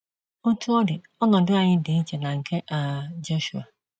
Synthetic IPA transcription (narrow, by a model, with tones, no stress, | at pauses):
ʊ˦tʰu˦ɔ˦dɪ˨ | ɔ˦nɔ˨dʊ˦a˨ɲɪ˦dɪ˨ɲ̩˦t͡ʃe˨na˨ŋ̩˨kʰe˦ʔa˨d͡ʒo˦ʃu˨a˨